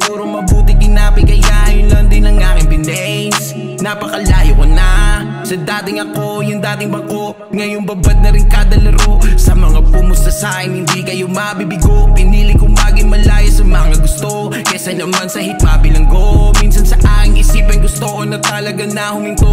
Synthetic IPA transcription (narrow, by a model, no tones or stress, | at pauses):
kuːɾoŋmɐbuːt̪ɪd̪ɪnaːpɪkɐjŋaʔjonlɐnd̪ɪnɐŋaŋɪnbɪnɛs | nɐpɐkɐlaːjokonɐ | sɐd̪aːt̪ɪŋɐko̞jʊnd̪aːt̪ɪŋbɐko̞ | ŋɐjoŋbɐbad̪̚nɐɾɪnkaːd̪ɐlɐɾo̞sɐmɐŋapʊmʊst̪ɐsakɪnhɪnd̪ikɐjo̞mɐbibɪɡoʔpɪniːlɪkʊŋbaːɡɪŋmɐlaːjɐsɐmɐŋaɡʊst̪o | kɐsɐnɐmansɐhit̪̚maːbɪlɐŋɡominsɐnsɐʔaːkɪŋɪsiːpɐjɡʊst̪oʔonɐt̪ɐlɐɡanɐhʊmɪnt̪o